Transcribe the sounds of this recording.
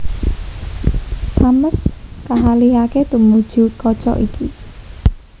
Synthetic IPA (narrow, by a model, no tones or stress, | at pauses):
haməskaɦaliɦaket̪umud̥ʒ̥ṳkɔ̥t͡ʃɔ̰ʔikʰi